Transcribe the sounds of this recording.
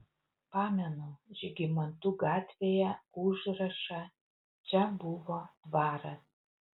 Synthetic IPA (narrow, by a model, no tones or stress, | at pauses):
pɑːmʲɛnoʒʲɪɡʲɪmɐnt̪uːɡɑːt̪ʲʋʲejɛuʒɾɐʃɐ | t͡ʃʲɛbuʋot̪ʋɑːɾɐs